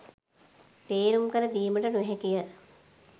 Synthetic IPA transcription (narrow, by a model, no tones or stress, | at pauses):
t̪eːɾumkəɾəd̪iːməʈənuɦɛkijə